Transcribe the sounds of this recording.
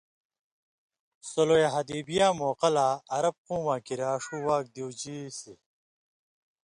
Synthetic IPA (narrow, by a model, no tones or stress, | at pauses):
sɐlojeɦɐd̪iːbijaːmoːqɐlaːɐɾɐb̚quːmaːkiɾaːʂuːwaːk̚d̪iwd͡ʑisi